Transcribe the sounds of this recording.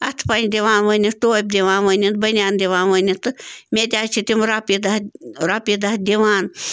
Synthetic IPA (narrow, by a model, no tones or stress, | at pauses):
ɐt̪ʰpɐnʲd̪ʲiʋaːnʋəːnʲit̪oːjp̚d̪ʲiʋaːnʋəːnʲint̪̚bɐnʲaːnd̪ʲiʋaːnʋənʲit̪ɨmʲed̪ʲaːt͡ʃʰit̪ʲimɾɐpid̪ɐɾɐpjid̪ɐhd̪ʲiʋaːn